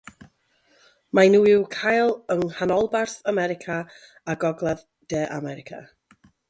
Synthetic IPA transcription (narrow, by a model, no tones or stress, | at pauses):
manuɪwkʰajlˠəŋhanɔlˠbarθamɛɾɪkʰa | aɡɔɡlˠað | d̥ɛːʔamɛɾɪkʰa̰